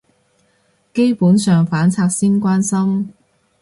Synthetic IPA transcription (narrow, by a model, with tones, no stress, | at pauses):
ke˥jpuː˨˥nsœː˨ŋfaː˨˥nt͡sʰaː˧k̚siː˥nkʷaː˥nsɐ˥m